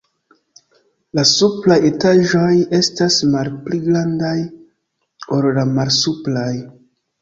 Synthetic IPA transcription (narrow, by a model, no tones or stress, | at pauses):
lasuplaje̞taʒo̞je̞stasmalpliɡɾandaj | oɾlamalsuplaj